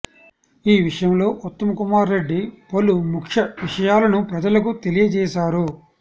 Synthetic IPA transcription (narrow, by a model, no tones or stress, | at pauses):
iːʋiʂɐjɐmlo̞ːʔut̪ːɐmɐkumaːɾːe̞ɖːipolumukʂɐʋiʂɐjaːlɐnupɾɐd͡ʒɐlɐkut̪e̞lijɐt͡ʃɛːʃaːɾu